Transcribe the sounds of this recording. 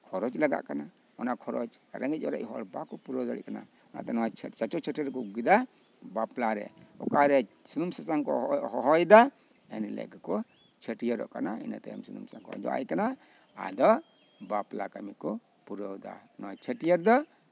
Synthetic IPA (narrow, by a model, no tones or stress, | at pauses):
kʰɔɾɔt͡ʃlaɡa̰ʔkana | ɔnakʰɔɾɔt͡ʃaɾɛŋɡɛt͡ʃ̚ɔɾa̰ʔɦɔɾbakɔpuɾɔwd̪aɽɛ̰ʔkana̰ | ɔna̰t̪ɛnɔwat͡ʃʰt͡ʃat͡ʃɔt͡ʃʰəʈɛɾɛkɔɡid̪a | baplaɾɛ̰ɔkaɾɛ | sunumsasaŋkɔ̰ɦɔɦɔjd̪a | ɛnilɛ̰ɡakɔ | t͡ʃʰəʈijəɾɔ̰ʔka̰naḭna̰t̪ɛja̰msunumsaŋkɔ̰a̰d͡ʒɔ̰ʔa̰jkana | a̰d̪ɔ | baplakamikɔ | puɾɔwd̪a̰nɔwat͡ʃʰəʈijəɾd̪ɔ